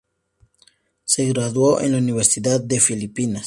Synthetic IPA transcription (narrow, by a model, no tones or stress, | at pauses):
seɣɾaðwoʔḛnlauniβ̞eɾsiðat̪̚d̪e̞filipinas